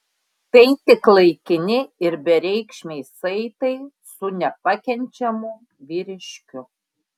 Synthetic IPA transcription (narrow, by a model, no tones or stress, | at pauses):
t̪ɐɪt̪ʲɪklˠɐɪkʲɪnʲɪɪɾbʲɛɾʲɛɪkʃʲmʲɛɪsɐɪt̪ɐɪ | sʊnʲɛpɐkʲɛnʲt͡ʃʲɛmʊ | ʋʲiːɾʲɪʃʲkʲʊ